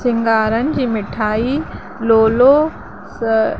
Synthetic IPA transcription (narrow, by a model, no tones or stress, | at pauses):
sɪ̃ŋɡaːɾənɪ̆d͡ʑiːmɪʈʰaːi | loːlo | s